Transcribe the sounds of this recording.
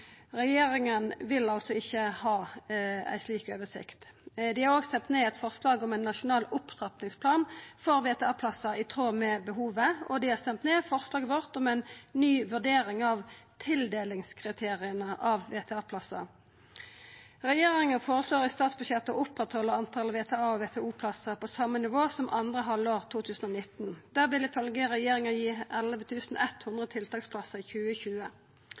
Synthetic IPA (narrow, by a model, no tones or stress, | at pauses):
ʁɛjeːʁɪŋənʋɪlɑlsɔɪçːəhɑːæ̰ɪsliːkøːʋəsɪ̰kt̪d̪ɪhɑʁoːɡst̪ɛnt̪neːɛt̪fɔʁslɑːɡɔmæɪnːɑʂʊnɑːlʊpt̪ʁɑp̪nɪŋspʰlɑːnfɔʁʋeːt̪ʰɛɑːpʰlɑsːɑɪt̪ʰʁoːmɛːbəɦuːʋəɔd̪ɪhɑʁst̪ɛmt̪neːfɔʁslɑːɡəʋɔʁt̪ɔmæɪnnyːʋʉʁɖeːʁɪŋɑʋt̪ʰɪld̪eːlɪŋskʰʁɪt̪ʰeːʁɪənəʔɑʋʋeːt̪ʰɛɑːpʰlɑsə | ʁɛjeːʁɪŋəfoːʁəsloːʁɪst̪ɑːt̪sbʉd̪ʃjɛt̪ːəɔʊpʁɛt̪hɔlːəʁɑnt̪ʰɑləʋeːt̪ʰɛɑːɔʋeːt̪ʰɛuːpʰlɑsəpʰɔsɑmːənɪʋoːsɔmʔɑnd̪ʁəɦɑlːoːʁt̪ʰuːt̪ʰʉːsn̩ɔnɪt̪nd̪̥æːʁʋɪlɪfœlɡəʁɛjeːʁɪŋəjiːʔɛləʋət̪ʰʉːsn̩ɛt̪hʊnd̪ʁət̪ʰɪlt̪ʰɑːkspʰlɑsəʁɪçʉːəçʉːə